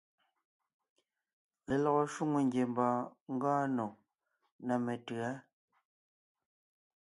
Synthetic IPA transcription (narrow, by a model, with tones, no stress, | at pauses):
le˨lɔ˨ɣɔ˨ʃwu˦ŋu˨ŋɡje˨m˦bɔː˨ŋ̩˦ɡaː˦no˨ | na˨me˨tɯ˨a˦